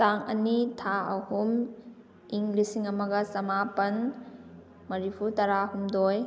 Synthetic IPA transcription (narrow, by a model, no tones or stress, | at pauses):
taŋɐ̰nitʰaɐhum | iŋlisiŋɐmɐɡɐsɐmapɐn | mɐɾipʰutɐɾahumdoj